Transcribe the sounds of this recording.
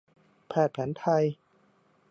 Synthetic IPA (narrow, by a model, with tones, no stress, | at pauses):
pʰɛː˧˩t̪̚pʰɛː˩˦nt̪ʰa˧j